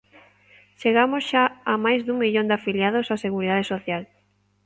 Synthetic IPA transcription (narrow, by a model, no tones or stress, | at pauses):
ʃeɣamosʃaːmajzðuŋmiʎond̪ɪafiljaðosaseɣuɾiðað̞esoθjal